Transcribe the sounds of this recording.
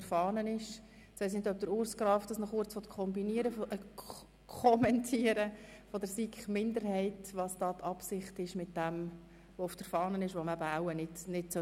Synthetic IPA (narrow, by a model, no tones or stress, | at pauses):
əɾfɑːnənɪʃ | sʋɛɪs̬nɪdœp̚d̪əɾʊːɾskɾɑːftd̥ɑsnɔχʊːɾt͡sʋɔt̪kʰχɔmbiniəɾəfʔə | kʰɔmɛntʰiəɾəfɔd̪əɾsikχmɪnd̪əɾɦɛɪtʋɑsd̥ɑːt̪ʰɑpsɪχtɪʃmɪt̚d̥ɛm | ʋoʊfd̥əɾfɑːnənɪʃʋomæbəaʊənɪtnɪtsœ